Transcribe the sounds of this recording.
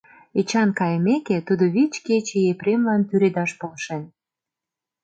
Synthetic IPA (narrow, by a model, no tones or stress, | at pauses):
et͡ɕɑnkɑjəmeket̪ud̪oβit͡ɕket͡ɕejepɾemlɑnt̪yɾed̪ɑʃpolʃen